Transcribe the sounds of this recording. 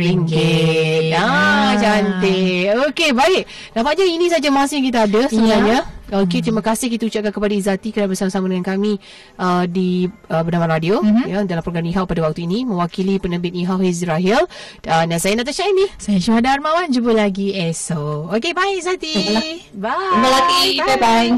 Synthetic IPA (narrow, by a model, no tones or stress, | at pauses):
iŋɡe | ad͡ʒant̪ɪokebaɪʔ̚ | nãpaʔɲainĩsad͡ʒamasɪjãŋk̬it̪aadəsəbənaɲaoket̪ɾimãkasɪhkit̪aut͡ʃaʔkankəpadaizat̪ikənabəsamasamadəŋankamĩ | ədiəbənamãnradiojadalampɾoɡamiɦaʔ̚padawak̚t̪uinĩmə̃wakilipənəbɪt̪̚iɦawisɾaɦil | ənansajanaʔt̪̬aʃainihsajaʃuɦadarmãwand͡ʒəbəlaɡiɛsookebaɪkizat̪ibabəlat̪iabai